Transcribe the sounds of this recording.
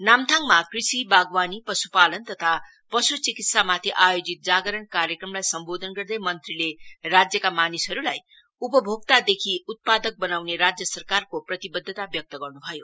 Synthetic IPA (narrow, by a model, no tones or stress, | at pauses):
namt̪ʰaŋmakrisibaɡwanipʌsupalʌnt̪ʌt̪ʰa | pʌsut͡sikit̪samat̪ʰiʔajod͡zit̪̚d͡zaɡʌɾʌnkaɾjekrʌmlajsʌmbod̪ʱʌnɡʌrd̪ʌjmʌnt̪rilerad͡zjʌkamanisɦʌɾulaj | upʌbʱoɡt̪ad̪ekʰiut̪̚pad̪ʌk̚bʌnawneɾad͡zjʌsʌrkarkoprʌt̪ibʌd̪ʱːʌt̪abjʌk̚t̪ʌɡʌrnubʱʌjo